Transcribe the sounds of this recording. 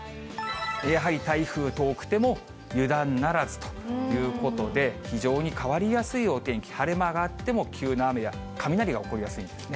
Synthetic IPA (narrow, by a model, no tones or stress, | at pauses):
jaɦaɾʲit̪aiɸɯ̟ːt̪o̞ːkɯ̟̥t̪e̞mo̞ | jɯ̟d̪ãnːaɾazɨ̥t̪o̞̥jɯ̟ːko̞t̪o̞d̪e̞çiʑo̞ːɲ̟ikaβaɾʲijasɨijoːt̪ẽ̞ŋkʲi̥haɾe̞maɡat̪ːe̞mo̞kʲʰɨːnaːme̞ja | kʰamʲinaɾʲiɡaoko̞ɾʲijasɨĩnd̪esɨ̥ne̞